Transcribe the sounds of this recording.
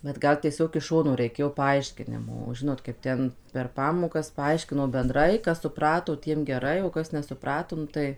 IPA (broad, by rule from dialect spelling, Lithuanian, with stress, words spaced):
bʲɛt ˈɡɐlˠ tʲiɛˈsʲoːk ɪʃ ˈʃoːnoː rʲɛɪˈkʲeːjoː pɐˈɐɪʃʲkʲɪnʲɪmoː oː ˈʒʲɪnoːt kɐɪp ˈtʲɛn pʲɛr ˈpɑːmoːkɐs pɐˈɐɪʃʲkʲɪnoː bʲɛnˈdrɐɪ ˈkɐs sʊˈprɑːtoː ˈtʲiɛm ɡʲɛˈrɐɪ oː ˈkɐs nʲɛsʊˈprɑːtoː ˈnʊ tɐɪ